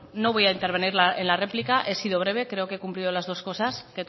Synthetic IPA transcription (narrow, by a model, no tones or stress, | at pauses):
no̞βo̞jaint̪e̞ɾβe̞niɾlaenlare̞plikaʔe̞siðo̞βɾe̞β̞e̞kɾe̞o̞kekumplið̞o̞lazð̞o̞sko̞sasket̪